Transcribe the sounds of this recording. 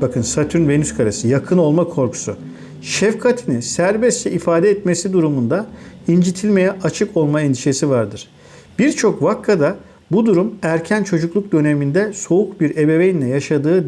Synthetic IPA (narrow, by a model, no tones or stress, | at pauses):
bakʰɯnsat̪ʰynve̞nyskʰaɾasɯjakʰɯno̞lˠmakʰo̞ɾkʰu̥sṵ | ʃɛfkʰat̪ʰinisæɾbɛst̪t͡ʃɛʔifaːd̪ɛɛt̪me̞sid̪uɾumund̪aind͡ʒit̪ʰilʲme̞jɛʔat͡ʃʰɯko̞lˠmaɛnd̪iʃe̞sivaɾd̪ɯɾ̥ | b̥iɾt͡ʃʰo̞kvakʰːad̪a | bud̪uɾumæɾcʰænt͡ʃʰo̞d͡ʒuklˠuk̚d̪ø̞ne̞mind̪ɛso̞ukbiɾe̞be̞vejinlʲɛjaʃad̪ɯː